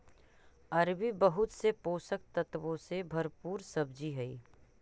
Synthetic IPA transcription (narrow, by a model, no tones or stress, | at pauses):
ɐɾʋibəɦʊt̪sepoːsək̚t̪ɐt̪ʋõsebʱɐɾpuːɾsɐbd͡ʒiɦɛiː